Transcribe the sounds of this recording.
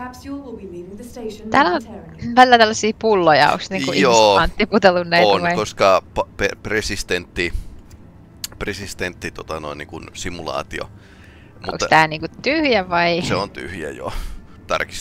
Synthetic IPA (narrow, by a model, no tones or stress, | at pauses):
ieæːlonʋælilːæt̪ælːɑsiːpulːojɑ̰o̰ksniːkuioːɑnt̪ːiput̪elːunːæinɑikoskɑpɑpepresist̪ent̪ːi | presist̪ent̪ːit̪ot̪ɑnoinḭŋkunsimulɑ̰ːt̪io̰ | mʔuo̰kst̪æːniːŋkut̪yhjæʋɑiseont̪y̰hjæ̰jo̰ | t̪ɑ̰rki̥s